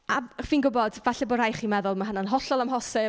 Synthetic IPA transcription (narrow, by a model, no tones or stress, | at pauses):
aviːnɡʊbɔdvaɬɛbʊɾajχiːmɛðʊlˠmaɦənanɦɔɬɔlˠamɦɔsɪ